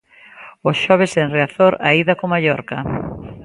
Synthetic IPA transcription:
osʃɔβeseŋreaθoɾaiðakomaʎɔɾka

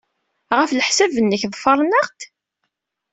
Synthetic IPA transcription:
ʁəfləħsævənːəçðˤfɑɾˤnəʁt̪

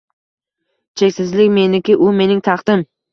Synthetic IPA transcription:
t͡ʃʰekʲsɪzlɪkʲme̞nɪkʲɪʔʊme̞nɪŋt̪ʰɑχd̪̥ɪm

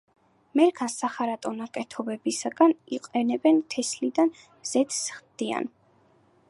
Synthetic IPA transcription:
mɛɾkʰasːaχaɾat̪ʼɔnakʼɛt̪ʰɔbɛbisaɡaniqʼɛnɛbɛnt̪ʰɛslid̪an | z̥ɛt̪ʰsχd̪̥ia̰n

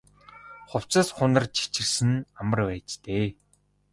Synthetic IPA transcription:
χʊw̥t͡sə̆sχʊnə̆rt͡ɕʰi̥t͡ɕɪ̆rsɘ̆namə̆rpæːt͡ɕt̪eː

